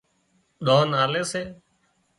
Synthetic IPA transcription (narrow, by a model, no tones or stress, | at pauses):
ɗ̪oːnaːleːseː